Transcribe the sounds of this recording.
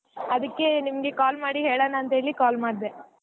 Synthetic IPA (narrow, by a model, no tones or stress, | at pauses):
ɐd̪ɐkːe̞nimɐɡekaːlmaːɽiɦeːɭaːnɐːnt̪ɦeːɭikaːlmaːɽd̪e